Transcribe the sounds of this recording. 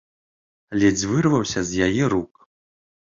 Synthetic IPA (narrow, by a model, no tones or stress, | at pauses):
alʲɛd͡zʲvɨrvɐwsʲɐzʲjajɛɾuk